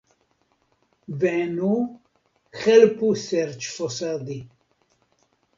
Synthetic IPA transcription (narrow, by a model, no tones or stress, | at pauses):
vɛnu | xɛlpusɛɾt͡ʃʰfɔsad̪i